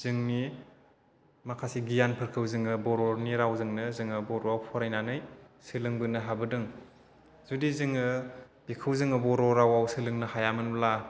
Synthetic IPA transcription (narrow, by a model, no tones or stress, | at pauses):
zɯŋni | makʰasiɡijanpʰɯɾkʰɯwzɯŋɯbɔɾɔɾniɾawzɯŋnɯzɯŋɯbɔɾɔawpʰɔɾajnanɯjsɯlɯŋbɯnɯɦabɯdɯŋ | zudizɯŋɯ | b̥ikʰɯwzɯŋɯbɔɾɔɾawawsɯlɯŋnɯhajamɯnla